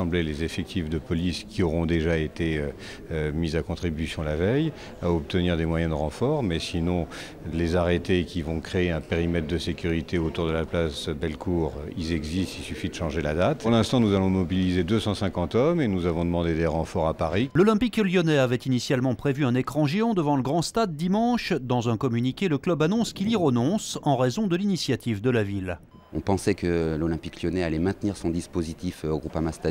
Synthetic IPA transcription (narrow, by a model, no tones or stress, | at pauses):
sɑ̃blelezefɛk̚t̪ʰifd̪əpɔliskʲiɔʁɔ̃d̪eʒaet̪eø | mizakɔ̃t̪χibysjɔ̃lavɛj | aɔp̚t̪əniʁd̪emwajɛ̃d̪əʁɑ̃fɔʁmɛsinɔ̃ | lezaʁet̪ekʲivɔ̃kχeːɛ̃peʁimɛt̪χd̪əsekʲyʁit̪eot̪uʁd̪əlaplasbɛlkʰuːʁilzɛɡzist̪ilsyfid̪əʃɑ̃ʒelad̪at̪ʁlɛ̃st̪ɑ̃nuzalɔ̃mɔbilized̪øsɑ̃sɛ̃kɑ̃t̪ɔmenuzavɔ̃d̪əmɑ̃d̪ed̪ɛʁɑ̃fɔʁapaʁilɔlɛ̃pikljɔnɛavɛt̪inisjalmɑ̃pχevyɛ̃nekχɑ̃ʒeɑ̃d̪əvɑ̃ləɡʁɑ̃st̪ad̪ːimɑ̃ʃd̪ɑ̃zɛ̃kɔmynikʲeləklœbanɔ̃skiliʁənɔ̃sɑ̃ʁezɔ̃d̪əlinisjat̪ivd̪əlavil | ɔ̰̃pɑ̃sɛkəlɔlɛ̃pikljɔnɛalɛmɛ̃t̪niʁsɔ̃d̪ispozit̪ifoɡʁupamast̪a